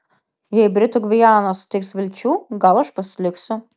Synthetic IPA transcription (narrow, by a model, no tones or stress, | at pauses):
jɛɪbʲɾʲɪt̪ʊɡʲʋʲɪjɑːnost̪ʲɪksʋʲɪlʲt͡ʃʲuːɡɐlˠɐʃpɐsʲlʲɪksʲʊ